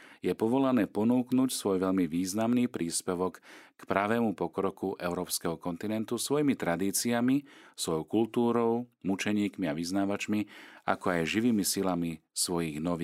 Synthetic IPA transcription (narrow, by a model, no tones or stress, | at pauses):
jɛpɔʋɔlanɛːpɔnuːknuːcsʋɔjʋɛʎmiʋiːznamniːpɾiːspɛʋɔkːpɾaʋɛːmupɔkɾɔkuʔɛʊɾɔːpskɛɦɔkɔnt̪inɛnt̪usʋɔjimit̪ɾad̪iːt͡siamisʋɔjɔʊkult̪uːɾɔʊmut͡ʃɛɲiːkmiaʋiznaːʋat͡ʃmia̰kɔajʒiʋiːmisilamisʋɔjiɣnɔʋiː